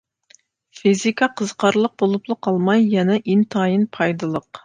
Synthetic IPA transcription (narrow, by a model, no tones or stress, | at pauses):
fizikʰɑqʰəzqʰɑɾlˠəq̚bolˠuplˠəqʰɑlˠmɑjːɛnɛʔint̪ʰɑːjinpʰɑjd̪ɨlˠəq